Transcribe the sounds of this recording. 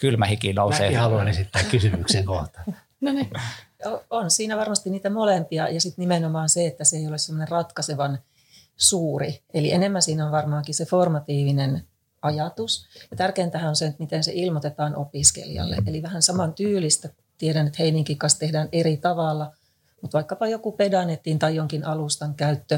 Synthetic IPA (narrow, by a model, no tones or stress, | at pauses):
kylmæhikinouseːhɑluɑnesit̪ːæːkkysymykseŋkoht̪ɑ̥ | noneoonsiːnæʋɑrmɑst̪inniːt̪æmolempiɑjɑsit̪nimenomɑːnseet̪ːæseeijolessemːŏnerrɑt̪kɑseʋɑn | suːrielienemːænsiːnæonʋɑrmɑːŋkiseformɑt̪iːʋinen | ɑjɑt̪usjɑt̪ærkeːmt̪æhænonseet̪mit̪ensḛʔilmot̪et̪ɑːnʔo̰piskḛliɑ̰lːḛʔeliʋæhænsɑmɑnt̪yːlist̪æ | t̪iedænet̪heiniŋkikːɑnst̪ehdæːnerit̪ɑʋɑlːɑ | mut̪ʋɑikːɑpɑjokupedɑnet̪ːint̪ɑijoŋkinʔɑlust̪ɑŋkæyt̪ːø